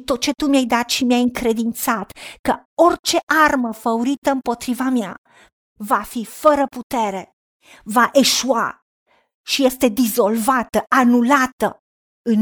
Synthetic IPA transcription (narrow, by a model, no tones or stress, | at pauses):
t̪ot̪̚t͡ʃe̞t̪umjajd̪at̪ʃimjajɨŋkɾe̞d̪int̪sat̪kəort͡ʃe̞ʔarməfəuɾit̪əɨmpo̞t̪ɾivamea̰ | vafifəɾəput̪e̞ɾe̞ | vaʔe̞ʃua̰ | ʃije̞st̪e̞d̪izo̞lvat̪əʔanulat̪ə̰ | ɨn